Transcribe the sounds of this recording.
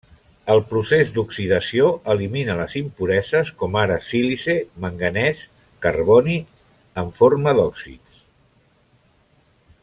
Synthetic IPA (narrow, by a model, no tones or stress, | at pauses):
əlˠpɾusezd̪uksiðəsioəliminələzimpuɾɛzəskɔmaɾəsilizeməŋɡənɛs | kərβɔni | əɱfoɾməðɔksḭts